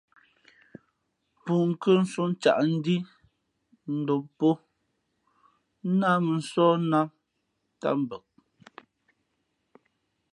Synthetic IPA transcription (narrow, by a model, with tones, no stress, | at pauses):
pu˨ŋ̩˨kə˦n̩˦su˦n̩˦t͡ʃa̰˨ʔn̩˦di˦ | n̩˦˨do˨pːo˦ | na˦mə˨n̩˨sɔː˦na˦ | ta̰˦m˨bə˨k̚